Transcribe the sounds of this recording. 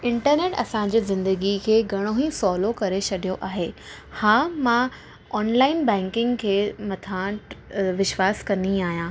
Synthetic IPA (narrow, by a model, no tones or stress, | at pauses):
ɪ̃ɳʈəɾneːʈɐ̰sã̆d͡ʑiːzɪ̃nd̪əɡikʰeːɡʱɐɽ̃oɦĩsɔːlokɐɾet͡ɕʰɐɗʱijoʔaːɦeː | hãːmã | ɔːnlaːɪnbɛ̃ːŋkɪ̃ŋɡkʰeːmɐt̪ʰãːʈʋɪʃʋaːskɐnd̪iaːɦjãː